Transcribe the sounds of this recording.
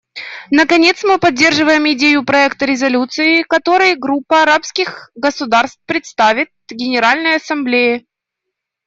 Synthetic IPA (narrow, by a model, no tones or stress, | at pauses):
nəkɐnʲe̞t̪smɨpɐdʲːe̞rʐɨvəjɪmɪdʲejʊpɾɐɛkt̪əɾʲɪzɐlʲut̪sɨɪkɐt̪o̞ɾɨjɡɾupːəɐɾapskʲɪxɡəsʊd̪arst̪pɾʲɪt̪st̪avʲɪt̪̚ɡʲɪnʲɪɾalʲnəjɐsɐmblʲejɪ